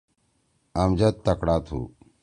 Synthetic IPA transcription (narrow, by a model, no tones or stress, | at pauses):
ɐmd͡ʑɐt̪̚ːɐkɽaːt̪ʰṵ